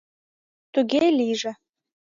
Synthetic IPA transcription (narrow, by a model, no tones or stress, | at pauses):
t̪uɣelʲiʒĕ